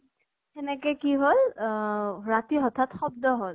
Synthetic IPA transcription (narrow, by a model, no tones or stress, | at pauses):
ɛnɛkɛkiɦol | ɹatiɦɔt̪ʰatxɔb̚dɔɦol